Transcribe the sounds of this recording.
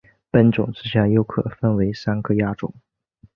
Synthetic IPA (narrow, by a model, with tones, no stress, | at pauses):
pə˥˩nʈ͡ʂʊ̰˨˩ŋʈ͡ʂɻ̩˥ɕja˥˩jo˥ʊkʰɤ̰˨˩fə˥nwe˧˥ɪsa˥nkʰɤ˥˧ja˥ʈ͡ʂʊ̰˨˩˦ŋ